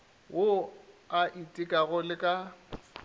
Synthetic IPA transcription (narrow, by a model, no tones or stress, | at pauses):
wʔoaʔitʼɪkʼaɣʊlɪkʼa